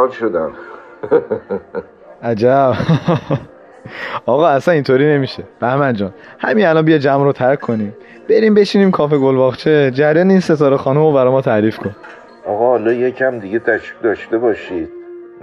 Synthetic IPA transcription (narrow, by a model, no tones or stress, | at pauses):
lʃod̪æm | ʔæd͡ʒæb̥ | ɒːɣɒːæsænint̪ʰoɾiːne̞miʃeb̥æhmænd͡ʒɒːnhæmiælɒnbijɒːd͡ʒæmɾot̪ʰæɾkʰːoniːm | b̥e̞ɾiːmbe̞t͡ʃʰiːniːmkʰɒːfe̞ɡolbɒɣt͡ʃʰed͡ʒæɾjɒːneinse̞t̪ʰɒːɾexɒːnumobæɾɒːjmɒːt̪ʰæɾiːfkʰon | ɒɣɒhɒlɒːjecʰæmd̪iɡet̪ʰæʃid̪ɒʃt̪ebɒːʃid̪̥̚